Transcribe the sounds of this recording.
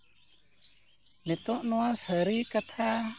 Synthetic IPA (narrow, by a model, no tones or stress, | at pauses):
nɛt̪ɔʔnuasəɾikat̪ʰa